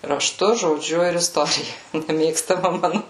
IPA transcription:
rɐˈʃtʊ ʒoːˈd͡ʒʲʊ ɪr ɪsˈtoːrʲɪjɛ nʲɛˈmʲeːkstɐmɐ ˈmɑːnʊ

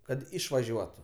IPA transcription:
ˈkɐt ˈɪʃʋɐʒʲuɔtʊ

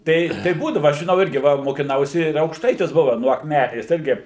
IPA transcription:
ˈtɐɪ tɐɪ ˈbuːdɐʋɐ ɐʃ ʒʲɪˈnɐʊ ˈɪrʲɡʲɪ ˈʋɐ moːkʲɪˈnɐʊsʲɪ ɪr ɐʊkʃˈtɐɪtʲɪs ˈbʊʋɐ nuɔ ɐkˈmʲæːnʲeːs ˈɪrʲɡʲɪ

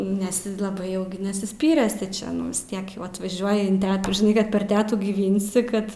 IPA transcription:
nʲɛs ɪ lˠɐˈbɐɪ ˈjɛʊ nʲɛsʲɪsʲˈpʲiːrʲeːsʲɪ t͡ʃʲɛ nʊ ʋʲɪs ˈtʲiɛk jɛʊ ɐtʋɐˈʒʲuɔjɪ ɪn ˈtʲæːtuː ʒʲɪˈnɐɪ ˈkɐt pʲɛr ˈtʲæːtuː ɡʲiːˈʋʲɪnʲsʲɪ ˈkɐt

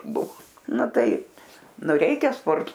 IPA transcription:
ˈbʊʋoː ˈnʊ ˈtɐɪp ˈnʊ ˈrʲɛɪkʲɛ ˈspoːrtoː

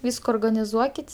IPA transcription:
ˈʋʲiːskoː oːrɡɐnʲɪˈzuɔkʲɪtʲ

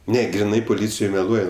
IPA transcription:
ˈnʲɛ ɡrʲɪˈnɐɪ poːˈlʲiːt͡sʲɪjoːj mʲɛˈlˠuɔj

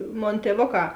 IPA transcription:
ˈmoːn tʲiɛˈʋoːˌkɑː

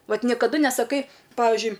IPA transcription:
ˈʋɐt nʲɪkɐˈdʊ nʲɛsɐˈkɐɪ ˈpɑːʋʲɪʒʲʊɪ

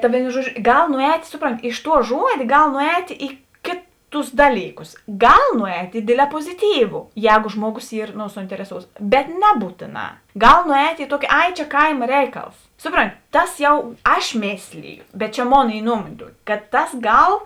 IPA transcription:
tɐ ˈʋʲeːɪnoː ˈʒuɔˌd͡ʒʲoː ˈɡɐlˠ nʊˈɛːtʲ ˈsʊˌproːnʲˌtʲɪ ɪʃ tuɔ ˈʒuɔdʲeː ˈɡɐlˠ nʊˈɛːtʲ ɪ ˈkʲeːˌtʊs ˈdɑːlʲiːˌkʊs ˈɡɐlˠ nʊˈɛːtʲ ɪ ˈdʲeːdʲlʲɛː poːzʲɪˌtʲiːʋʊ ˈjɛːɡoː ˈʒmuɔˌɡoːs ˈiːr noː sʊɪnʲtʲɛrʲɛˈsoːʊts bʲɛt ˈnʲæːbuːtʲeːˌnɑː ˈɡɐlˠ nʊˈɛːtʲ ɪ ˈtuɔkʲɪ ˈɐɪ t͡ʃʲɛ ˈkɐɪmɐ ˈrʲɛɪˌkɐlˠs ˈsʊˌproːnʲˌtʲɪ ˈtɐs jɛʊ ˈɐʃ ˈmʲeːsʲlʲɪjʊ bʲɛt t͡ʃʲɛ ˈmoːn ˈiː ˈnuɔmoːnʲeː ˈtuɔkʲɪ kɐt ˈtɐs ˈɡɐlˠ

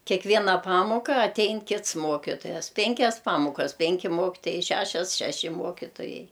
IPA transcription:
kʲɛkˈʋʲiɛnɐ ˈpɑːmoːkɐ ɐˈtʲɛɪn ˈkʲɪts ˈmoːkʲɪtoːjɛs ˈpʲɛŋʲkʲɛs ˈpɑːmoːkɐs ˈpʲɛŋʲkʲɪ ˈmoːkʲɪtoːjɛɪ ˈʃʲæːʃʲɛs ʃʲɛˈʃʲɪ ˈmoːkʲɪtoːjɛɪ

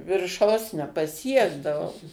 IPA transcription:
ʋʲɪrˈʃɐʊs nʲɛpɐˈsʲiɛɡdɐʋɐʊ

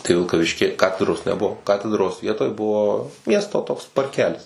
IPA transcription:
tɐɪ ʋʲɪlˠkɐˈʋʲɪʃʲkʲɪ ˈkɑːtʲɛdroːs nʲɛˈbuɔ ˈkɑːtʲɛdroːs ˈʋʲiɛtoːj ˈbʊʋoː ˈmʲiɛstoː toːks pɐrʲˈkʲæːlʲɪs

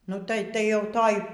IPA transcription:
nʊ ˈtɐɪ tɐɪ ˈjɛʊ toːj

